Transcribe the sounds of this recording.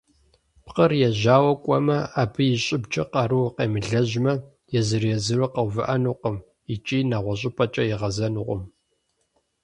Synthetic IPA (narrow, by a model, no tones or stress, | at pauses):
pqərjɛʑaːwɐkʷʼɔmɐaːbɨjɪɕʼɪbd͡ʒʰʼɐqɑɾɨwqeːmɨɮɐʑmɐ | jɛzɨrjɛzɨrɨqɐwvɨ̰ʔɐnuːqəm | it͡ʃʼiːnaːʁʷɔɕ̬ʼɪpʼɐt͡ʃʼɐjɪʁɐzɐnuʁʷʊ̰m